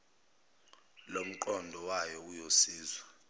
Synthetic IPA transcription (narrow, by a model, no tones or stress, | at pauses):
lom̩ǃɔndʱɔwajɔujosiːzwa